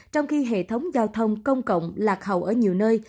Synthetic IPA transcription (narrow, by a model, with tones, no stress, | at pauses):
t͡ɕɔ˧wŋ͡mxi˧ɦḛ˧˨t̪ʰə˨˦wŋ͡mzaː˧wt̪ʰə˧wŋ͡mkə˧wŋ͡mkə̰˧˨wŋ͡mlaː˨˩k̚ɦə̰˧˨wʔəː˧˩ɲi˨˩əwnəː˧j